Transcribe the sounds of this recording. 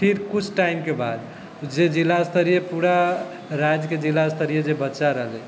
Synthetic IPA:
pʰiɾkut͡ʃʰʈaimkebad̪ | d͡ʒed͡ʒilːast̪əɾijepuɾa | ɾad͡ʒked͡ʒilːast̪əɾijed͡ʒebətːt͡ʃaɾəɦlɛ

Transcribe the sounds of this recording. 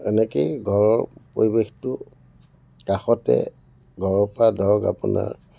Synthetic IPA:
ɛnɛkeɡʱɔɹɔɹpoɹibextʊ | kaxɔtɛ̰ | ɡʱɔɹɔpadʱɔɹɡa̰puna̰ɹ

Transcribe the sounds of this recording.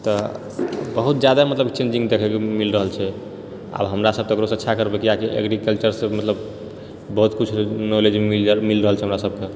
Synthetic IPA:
t̪ɔ | bəɦut̪̚d͡ʒjad̪amət̪ləbt͡ʃend͡ʒĩŋɡd̪ekʰɛkemilɾəɦəlt͡ʃʰɛ | a̰bɦəmɾasəb̚t̪ɔokɾosətːʃʰakəɾbekiakiʔḛɡɾikəlt͡ʃəɾsẽmət̪ləbː | əɦut̪kut͡ʃʰnoled͡ʒimilɾəɦəlt͡ʃʰɛɦəmɾasəb̚ke

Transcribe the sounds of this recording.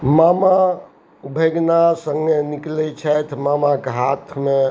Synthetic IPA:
mama | ubʱeɡnasəŋɡeniklɛt͡ʃʰɛt̪ʰmamakeɦat̪ʰme

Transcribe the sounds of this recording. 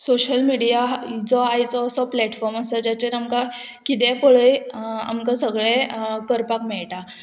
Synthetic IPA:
soɕəlmiɽijad͡zɔajt͡sɔsɔplɛʈfɔɾmasad͡ʑat͡ɕeɾamka | kid̪̬ɛ̃poɭəja̰mkasəɡɭẽkəɾpakmɛɭʈa

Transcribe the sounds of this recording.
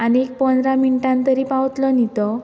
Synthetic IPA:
aniek̚pənd̪ɾaminiʈãnt̪əɾiːpawt̪lɔnit̪ɔ

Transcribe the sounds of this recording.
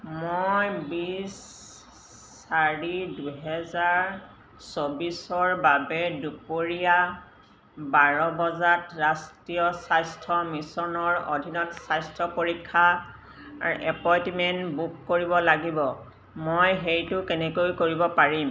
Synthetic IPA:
mojbis | aɹiduɦɛzaɹ | sobisɔɹbabɛdupoɹija | baɹɔbɔzatɹastɹijɔsajstʰɔmisɔnɔɹo̰dʱinɔtsajstʰɹɔpoɹikʰːa | aɹʔɛpɔjtimɛntbukːoɹibɔlaɡibɔ | mojɦejtʊkɛnɛkojkoɹibɔpaɹim

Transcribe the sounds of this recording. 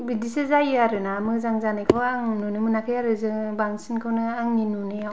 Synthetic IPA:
bidisɯzajaɾɯnamɯzaŋzanajkʰɔwaŋnunɯmɯnakʰɯjaɾɯzɯbaŋsinkʰɯwnɯaŋninunɯa

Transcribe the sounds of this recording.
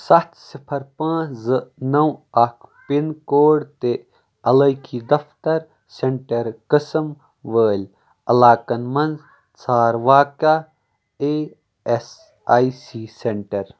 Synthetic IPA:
sɐt̪sipʰɐɾpãːzɨnɐwɐkʰpinkoːɖt̪e | ɐlɐjkʰid̪ɐft̪ɐɾ | seɳʈɐɾkəsɐm | ʋəːlʲ | ɐlaːkɐnmɐnz | t͡sʰaːɾʋaːka | eː | es | aːisiːseɳʈɐɾ

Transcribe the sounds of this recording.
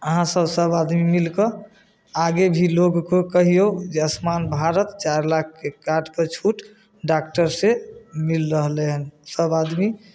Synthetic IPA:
əɦãsəbsəbad̪mimilkə | aɡebʱiloɡkokəɦijod͡ʒeəsmanbʱaɾət̪t͡ʃaɾlak̚ʰkekaɾɖpəɾt͡ʃʰuʈ | ɖak̚ʈəɾsemilɾəɦleɦənsəbad̪mi

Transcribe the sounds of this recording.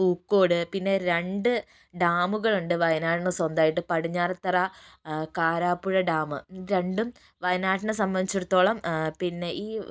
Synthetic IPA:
uːkːo̞ːɽɨpinːe̞ɾe̞ɳɖɨ | ɖaːmuɣɐɭuɳɖɨʋɐjnaːʈɐɳɨsɐnd̪aːjiʈːɨpɐɽiɲːaːrt̪ːɐrɐkaːɾaːpːuɻɐɖaːmɨɾe̞ɳɖum | ʋɐjnaːʈɐnɨsɐmbɐnd̪it͡ɕːuɽut̪ːo̞ːɭɐmpinːe̞ʔiː

